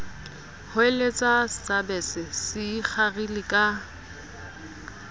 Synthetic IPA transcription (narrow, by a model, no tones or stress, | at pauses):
hʊelet͡sʼast͡sabɛsɪsɪk͡xʰarilɪkʼa